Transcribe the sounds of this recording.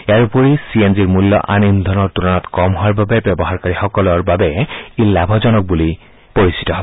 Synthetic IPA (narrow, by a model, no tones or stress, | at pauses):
eaɹupoɹisienziɹmulːɔ̰ʔanind̪ʱɔnɔɹtunɔnɔtkɔmɦoaɹbabɛbɛbɔɦaɹkaɹixɔkɔlɔɹbabɛilabʱɔzɔnɔk̚buli | poɹisi̥tɔɦɔbɛ